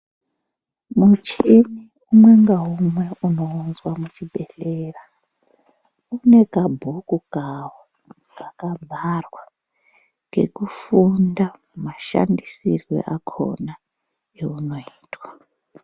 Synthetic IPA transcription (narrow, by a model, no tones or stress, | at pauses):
mut͡ʃini | umwe̞ŋɡaɦumwe̞uno̞ːnzwamut͡ʃibʱe̞ɬera | une̞kabʱokuɡʱawo | kakabʱarwa | ŋɡe̞̰kufundamumaʃa̰ndisirwḛʔakʰo̞̰na | euno̞iːtwa